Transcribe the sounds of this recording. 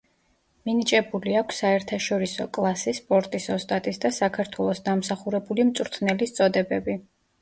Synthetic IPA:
minit͡ʃʼɛbuliakʷʰsːaɛɾt̪ʰaʃɔɾisɔkʼlˠasispʼɔɾt̪ʼisɔst̪ʼat̪ʼisd̪asakʰaɾt̪ʰwɛlˠɔsd̪amsaχuɾɛbulimt̪sʼuɾt̪ʰnɛlist̪sʼɔd̪ɛbɛbi

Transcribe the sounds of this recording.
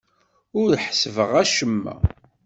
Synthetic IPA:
ʊɾħsvəʁæʃəmːæ̰

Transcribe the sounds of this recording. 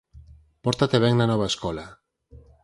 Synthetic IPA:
poɾt̪at̪eβeŋnanoβaeskola

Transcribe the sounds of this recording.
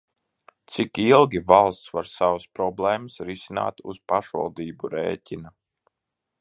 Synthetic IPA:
t̪sikilˠɡʲivalˠst̪svaɾsavaspɾɔblˠɛːməsɾisina̰ːt̪ṵz̥paʃva̰lˠd̪iːbuɾḛːcʲina

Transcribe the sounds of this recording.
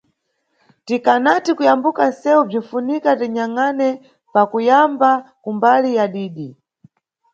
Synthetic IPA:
tikanatikujambukansɛub͡ʐinfunikatɛɲaŋanɛ | pakujambakumbalijaɗiːɗi

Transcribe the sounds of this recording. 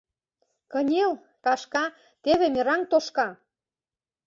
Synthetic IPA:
kɤ̆nʲel | kɑʃkɑ | t̪eβemeɾɑŋt̪oʃkɑ

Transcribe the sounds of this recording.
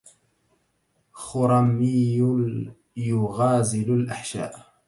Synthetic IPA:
xʊɾˤɑmɪ | jʊɣaːzɪlalʔaħʃa̰ːʔ

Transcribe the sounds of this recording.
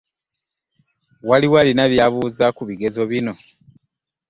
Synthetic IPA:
waliwalinaβjaβuːzakuβiɡe̞zo̞βino̞

